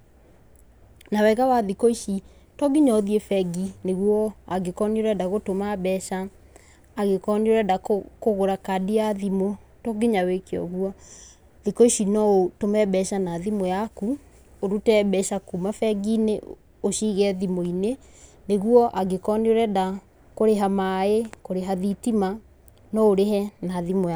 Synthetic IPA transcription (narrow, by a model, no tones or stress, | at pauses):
nawɛɣawaðikoiʃi | tɔɡiɲɔðiefɛɡineɣwɔaɡekɔnioɾɛdaɣotomabɛʃaː | ɣekɔnioɾɛdakkoɣoɾakadiaðimotɔɡiɲawekeɔ̰ɣuɔ | ðikɔiʃinɔotomɛbɛʃanaðimojaku | oɾutɛbɛʃakumafɛɡine | oʃiɣɛðimoineneɣuɔʔaɡekɔnioɾɛda | koɾeɦamaekoɾeɦaðitima | nɔoɾeɦɛnaðimoa